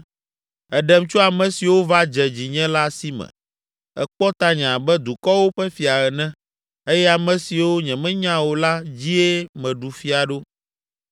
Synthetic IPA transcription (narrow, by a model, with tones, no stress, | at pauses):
ɛ˨ɖɛ˨mt͡ʃɔ˦a˨mɛ̃˨si˨wo˦va˦d͡ʒɛ˨d͡ʑi˨ɲɛ̃˦la˦si˦mɛ̰̃˨ | ɛ̰˨k͡pɔ˦t̪a˦ɲɛ̃˨a˨bɛ˦d̪u˨kɔ˦wo˦ɸɛ˦fi˨a˨ɾɛ˨nɛ̃˦ | e˦jɛ˦a˨mɛ̃˨si˨wo˦ɲɛ̃˨mɛ̃˦ɲã˦wo˨la˦d͡ʑi˦e˦mɛ̃˨ɖu˨fi˦a˨ɖo˦